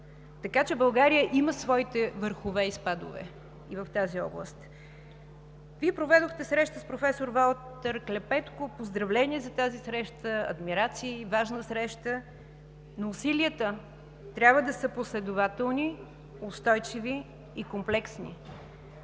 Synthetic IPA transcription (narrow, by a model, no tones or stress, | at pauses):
t̪ɐkat͡ʃɛbɐlˠɡaɾijəʔiməsvɔit̪ɛvəɾxʊvɛispad̪ʊ̰vɛ̰ | ivəft̪aziɔ̰blˠə̰st̪ | viɛpɾovɛd̪oxt̪ɛsɾɛʃt̪əspɾofɛsoɾvalˠt̪əɾklʲɛpɛt̪kʊpozd̪ɾɐvlɛniɛzɐt̪azisɾɛʃt̪əɐ̰d̪miɾat̪siːvaʒnəsɾɛʃt̪ə | noːsiliət̪ə | t̪ɾʲabvəd̪ɐsəposlɛd̪ʊvat̪ɛlˠni | ost̪ɔjt͡ʃiviː | komplɛksnḭ